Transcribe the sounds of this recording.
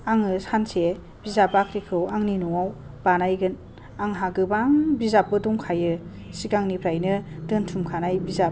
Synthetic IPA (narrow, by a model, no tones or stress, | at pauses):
aŋɯsanse | bizapakʰɾikʰɯwaŋninɔwaw | b̥anajɡɯn | aŋɦaɡɯbaŋbizap̚ːɯdɔŋkʰajɯ | siɡaŋnipʰɾajnɯdɯntʰumkʰanajbizap̚